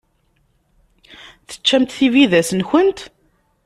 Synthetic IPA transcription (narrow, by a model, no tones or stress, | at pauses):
θə̥t͡ʃːæmt̪θiviðæsənçənt̪